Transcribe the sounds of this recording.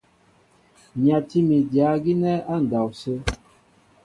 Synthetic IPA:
ɲa˨ti˦mi˨dja˨˦ɡi˦nɛ˦a˦˨n̩˨da˨wsə˦

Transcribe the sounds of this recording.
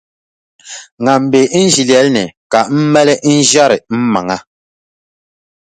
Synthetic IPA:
ŋa˨m̩˨be˨˦n̩˦d͡ʒi˨ljɛ˨˦lnɛ˨ka˨m̩˦mɛ˦lɛ˦ʔi˦n̩˦d͡ʒja˦ɾɛ˨m̩˦ma˨ŋa˦

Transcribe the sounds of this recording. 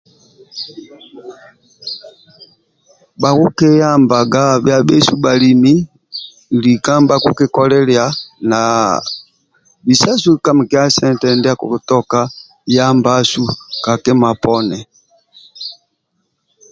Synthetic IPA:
ɓa˨ku˦kɛ˦ja˦mba˨ɡa˦bja˨˦ɓɛ˦su˦ɓa˨li˨mi˦˨ | li˨ka˦mba˦ku˦kɛ˦kɔ˦lɛ˦lja˨˦na˨ | bi˨sa˦su˦˨ka˦m˨kɛ˦a˦sɛ˦ntɛ˨ndɛ˦a˦kṵ˨u˨tɔ˦ka˦ | ja˦mba˦su˦ka˨kɛ˦ma˨pɔ˦nɛ˨

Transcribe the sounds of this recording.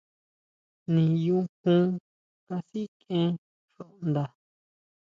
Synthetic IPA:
nĩ˨jũ˧hũ˦ | ka˧si˦kẽ˧˦ | ʂo˨ʔnd̪a˧

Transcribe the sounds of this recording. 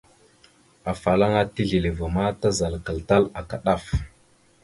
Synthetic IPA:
a˨fa˨la˦ŋa˦ti˦ɮi˨li˨va˨ma˦ta˦za˨lkə˨lta˦la˨ka˨ɗa˦˨f

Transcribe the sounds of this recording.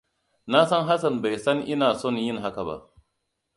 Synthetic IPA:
na˦sɐ˦ŋɦa˦sɐ˨nba˨jsɐ˦ŋʔɪ˦naː˨sɔ˦˨njɪ˦ŋɦa˦ka˨ba̰˦ʔ

